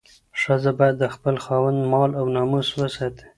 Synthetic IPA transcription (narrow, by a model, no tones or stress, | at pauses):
ʂazabɑjad̪ːəxpəlxɑwand̪mɑlawnɑmuswəsɑt̪ʰe̥